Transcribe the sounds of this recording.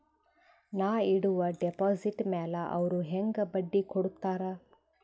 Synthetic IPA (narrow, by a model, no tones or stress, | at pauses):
naːiɽuʋɐɖepoːziʈmɛːlɐʔɐ̰ʋɐɾuɦeŋɡɐbɐɖːikʰoɽut̪ːaːɾa